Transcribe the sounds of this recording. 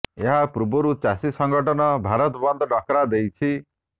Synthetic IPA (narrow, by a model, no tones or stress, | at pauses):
eɦapɾubɔɾut͡ʃasisɔŋɡɔʈɔnɔbʱaɾɔt̪bɔnd̪ʱɔɖɔkɾad̪ejt͡ʃʰi